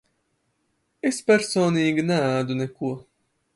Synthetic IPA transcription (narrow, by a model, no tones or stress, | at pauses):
espʲɛɾsoːnʲiːɡʲinɛaːd̪unɛkuɔ